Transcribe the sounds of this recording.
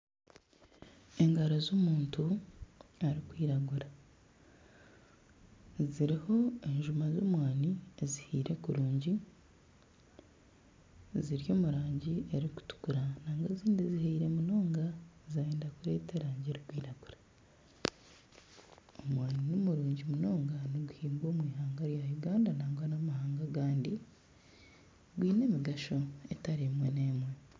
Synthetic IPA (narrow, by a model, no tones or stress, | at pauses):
e̞ŋɡaɾozoːmuːntu | aɾikwiːɾaɡuɾa | ziɾiho̞e̞ɲʒumazoːmwaːniezihiːɾe̞kuɾuːɲɟi | ziɾjo̞ːmuɾaːɲɟieɾiku̥tu̥kuɾanaːŋɡaziːndizihaiɾe̞muno̞ːŋɡazaeːndakuɾe̞ːte̞ɾaːɲɟeɾiɡwiːɾaɡuɾa | omwaːninomuɾuːɲɟimuno̞ːŋɡaniɡuhiːmɡwo̞ːmwiːhaːŋɡaɾjajuɡaːndanaːŋɡwanamahaːŋɡaɡaːndi | ɡwiːne̞ːmiɡaʃo̞etaɾimwe̞neːmwe̞